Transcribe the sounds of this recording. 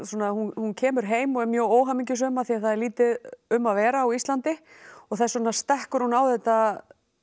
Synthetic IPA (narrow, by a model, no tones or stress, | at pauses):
swɔːnahunhuncʰɛːmʏɾ̥ɦeːjmɔɣɛɾmjœːoːwɦamiɲcʏs̬ʏmaðθiaθaðɛɾliːt̪ɪðʏmːaðvɛːɾaːwist̪lant̪ɪɔɣθasɔnast̪ɛhkʏɾ̥hunawðɛht̪a